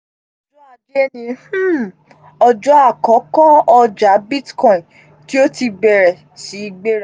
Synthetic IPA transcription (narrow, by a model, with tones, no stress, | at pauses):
ɔ˨˦d͡ʒɔ˦a˦˨d͡ʒe˦nĩ˧h̩˦˨ | ɔ˧d͡ʒɔ˦a˦˨kɔ˨˦kɔ̃˦ɔ˧d͡ʒa˨˦bi˦tkɔ̃˨ĩ˨ | ti˦o˦ti˧ɡ͡bɛ˨ɾɛ˨ | si˨˦ɡ͡be˦ɾa˨